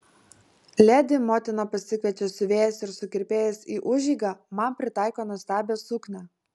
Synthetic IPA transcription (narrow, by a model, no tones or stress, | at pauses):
lʲæːd̪ʲɪmoːt̪ʲɪnɐpɐsʲɪkʋʲɛt͡ʃʲesʊʋʲeːjɛsɪɾsʊkʲɪɾʲpʲeːjɛsʲiːʔʊʒʲiːɡɑmɐnpʲɾʲɪt̪ɑˑɪkoːnuɔst̪ʲæːbʲoːsʊknʲæ